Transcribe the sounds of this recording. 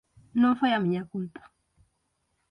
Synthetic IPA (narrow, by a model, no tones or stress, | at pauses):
nɔfɔjamiɲakutḁ